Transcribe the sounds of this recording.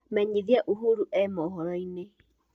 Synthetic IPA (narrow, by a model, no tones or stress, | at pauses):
mɛɲiðiaʔuɦuɾuʔɛmɔɦɔɾɔine